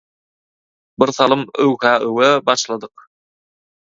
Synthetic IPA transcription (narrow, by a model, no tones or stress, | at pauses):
biɾθɑlˠɯmɵwkæːʔøwæbɑʃlˠɑd̪ɯq̚